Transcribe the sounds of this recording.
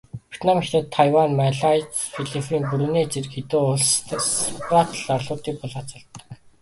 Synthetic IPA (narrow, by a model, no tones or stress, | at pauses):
pʲu̥t̪namixt̪ə̆t̪ʰːajwanmaɮajt͡sfiɮifinpuɾuneːt͡ɕerkxet̪uːʊɮsstwat̪ʰəɮarɮʊːt̪iːk̚pʊɮaːt͡sə̆ɮt̪̆ː